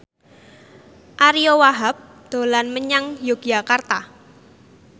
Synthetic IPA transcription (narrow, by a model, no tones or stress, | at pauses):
ʔaɾiowaɦap̚ | d̪̥o̤lanməɲaŋjoɡ̥jakart̪a